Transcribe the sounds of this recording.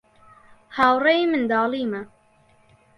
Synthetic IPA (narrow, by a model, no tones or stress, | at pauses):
haːwrɛjimɨnd̪ɑːliːmɐ